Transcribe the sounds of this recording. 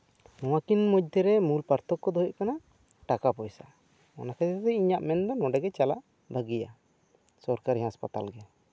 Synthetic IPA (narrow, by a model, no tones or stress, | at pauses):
nɔw̃akinmɔd̪ʱɛɾɛmulpaɾt̪ɔkːɔd̪ɔɦɔʔkana | ʈakapɔjsa̰ | ɔ̰nakad͡ʒɛt̪ɛiɲaʔmɛnd̪ɔnɔɖɛɡɛt͡ʃala̰ʔ | bʱəɡija̰ | sɔɾkaɾiɦãspat̪a̰lɡɛ